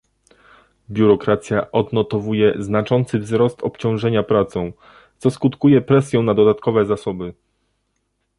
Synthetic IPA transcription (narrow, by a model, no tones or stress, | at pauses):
bʲjuɾɔkɾat̪sʲjaʔɔd̪nɔt̪ɔvujɛznat͡ʂɔnt̪sɘvzɾɔst̪ɔpt͡ɕɔ̃w̃ʐɛɲapɾat̪sɔ̃w̃ | t̪sɔskut̪kujɛpɾɛsʲjɛ̃w̃nad̪ɔd̪at̪kɔvɛzasɔbɘ